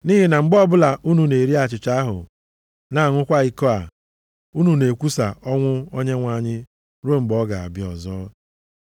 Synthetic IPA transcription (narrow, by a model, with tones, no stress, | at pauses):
ni˦ɦi˨na˨ŋ͡m̩˦ɡ͡bɔ˦bʊ˦la˨u˦nu˨ne˨ɾi˦a˨t͡ʃɪ˨t͡ʃa˦a˦ɦʊ̰˨ | na˨ŋʷʊ˦kʷa˦i˦ko˦a˨ | u˦nu˨ne˨kʷu˦sa˨ɔ˦ŋʷʊ˦o˦ɲe˦ŋʷa˨ɲɪ˦ | ɾo˦ŋ͡m̩˨ɡ͡bɔ˦ɡa˨a̰˨bɪ˨˦ɔ̰˨zɔː˦